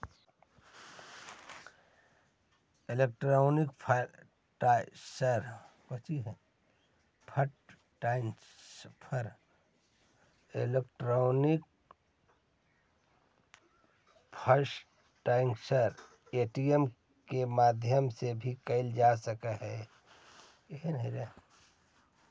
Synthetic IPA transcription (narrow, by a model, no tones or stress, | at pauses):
elek̚ʈɾoːnikpʰ | ʈasəɾpət͡ʃiɦɛ̃ | pʰəʈ | ʈaŋ | pʰəɾ | elekʈɾoːnɪk̚ | pʰəɾs | ʈaːɪ̃ŋksəɾ | eʈiem | kemaːd̪ʱjəmsebʱikəɪld͡ʒaːsəkaɦɛ | eɦiniɾa